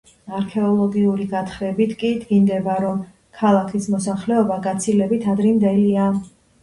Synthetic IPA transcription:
aɾkʰɛɔlˠɔɡiuɾiɡat̪ʰχɾɛbit̪ʰkʼid̪ɡind̪ɛbaɾɔm | kʰalˠakʰismɔsaχlɛɔbaɡat̪sʰilɛbit̪ʰad̪ɾɛmd̪ɛlia

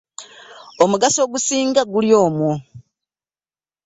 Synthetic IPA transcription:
omuɡaso̞ːɡusiːŋɡaɡuljo̞ːmwo

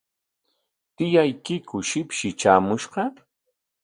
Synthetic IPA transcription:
t̪ɪjajkɪkʊʃɪpʃɪt͡ʃaːmʊʃqɑ

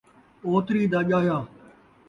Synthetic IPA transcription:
oːt̪ɾiːd̪aːʄaːjaː

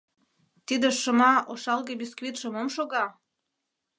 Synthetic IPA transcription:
t̪id̪ĕʃə̆mɑoʃɑlɣebiskvit̪ʃomomʃoɣɑ

